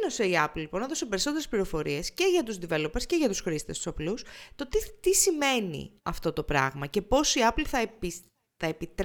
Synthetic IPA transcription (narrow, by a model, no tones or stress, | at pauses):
no̞se̞iɐpllːipo̞nɐðo̞se̞pe̞ɾiso̞t̪eɾespliɾo̞fo̞ɾie̞sce̞ʝɐt̪uzd̪ive̞lo̞pesce̞ʝɐt̪usxɾist̪e̞st̪u̥sɐplust̪o̞t̪it̪isime̞nḭɐft̪o̞t̪o̞pɾɐ̰ɣmɐce̞po̞siɐplθɐi | θɐepit̪ɾ